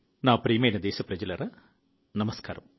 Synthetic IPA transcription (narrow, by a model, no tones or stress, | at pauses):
naːpɾiːmejnɐd̪eːsɐpɾɐd͡ʑilɐɾɐ | nɐmɐska̰ːɾɐm